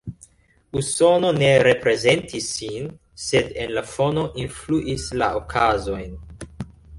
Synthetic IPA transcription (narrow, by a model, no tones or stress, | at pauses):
uso̞no̞ne̞ɾe̞pɾe̞ze̞ntisːin | se̞de̞nlafo̞no̞ʔinfluʔisla̰ʔokʰazo̞jn